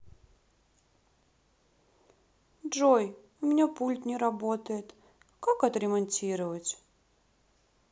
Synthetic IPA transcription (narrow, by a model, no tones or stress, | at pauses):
dʐoj | ʊmʲɪnʲapulʲt̪nʲɪɾɐbot̪əjɪt̪ | kakɐt̪ɾʲɪmɐnʲtʲiɾəvətʲ